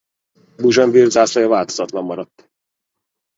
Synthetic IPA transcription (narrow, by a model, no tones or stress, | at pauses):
buʒɒnvirɡ̪zaːslɒjɒvaːlt̪ozɒt̪lɒmːɒɾɒt̪ː